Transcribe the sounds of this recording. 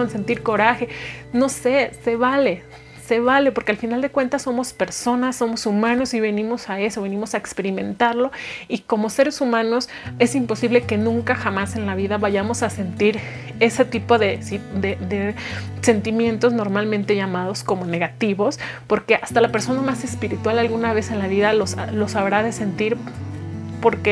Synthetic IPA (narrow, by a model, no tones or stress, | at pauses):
ense̞nt̪iɾko̞ɾaxe̞no̞se̞se̞βale̞ | se̞βale̞poɾke̞alfinald̪e̞kwe̞nt̪asːo̞mo̞spe̞ɾso̞nasːo̞mo̞sumãno̞siβe̞nĩmo̞sae̞so̞βe̞nĩmo̞saekspe̞ɾimẽ̞nt̪aɾlo̞iko̞mo̞se̞ɾe̞sumãno̞s | e̞simpo̞siβle̞ke̞nũŋkaxamase̞nlaβ̞iðaβaʝamo̞sase̞nt̪iɾ | e̞se̞t̪ipo̞ðe̞sid̪ed̪ese̞nt̪imje̞nt̪o̞zno̞ɾmalmẽnt̪e̞ʝamað̞o̞sko̞mo̞ne̞ɣat̪iβo̞s | po̞ɾke̞ast̪alape̞ɾso̞namase̞spiɾit̪walalɣunaβe̞se̞nlaβiðalosalo̞saβɾaðe̞se̞nt̪iɾ | po̞ɾke